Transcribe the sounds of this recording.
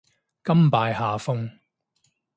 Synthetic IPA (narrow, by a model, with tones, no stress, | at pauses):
kɐ˥mpaː˧jhaː˨˧fʊ˥ŋ